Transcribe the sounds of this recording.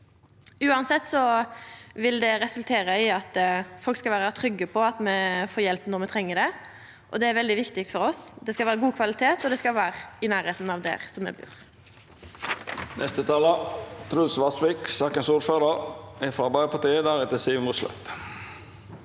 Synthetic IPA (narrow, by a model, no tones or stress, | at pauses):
ʉːɑnsɛt̪ːsɔ | ʋɪld̪ɛʁɛsʉlt̪ʰeːʁəɪɑt̪fɔlkskɑʋæːʁɑt̪ʰʁʏɡːəpʰɔɑt̪mɛfoːɾjɛlpnɔɾmɛt̪ʰɾɛŋːəd̪ɛ | ʔɔd̪ɛæɾʋɛld̪ɪʋɪkt̪ɪk̚t̪fɔɾɔsd̪ɛskɑʋæːɾəɡuːkʰʋɑlɪt̪ʰeːt̪ɔd̪ɛskɑlʋæːʁɪnæːʁheːt̪n̩ɑʋd̪ɛ̰ːʁsɔmɛ̰bʉ̰ːʁ | nʔɛst̪ət̪ʰɑːlət̪ʰɾuːsʋɑsʋɪksɑːkənsuːdføːʁdəʁɛfɾɑbɑɪpʰɑt̪iːəd̪æʁɛt̪əsiːʋmuslœ̰t̪